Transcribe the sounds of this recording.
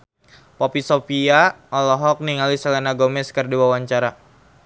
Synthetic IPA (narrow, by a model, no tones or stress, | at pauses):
pɔpisofiaɔlɔɦɔk̚niŋalisalanaɡomɛskərduawaɲt͡ʃaɾa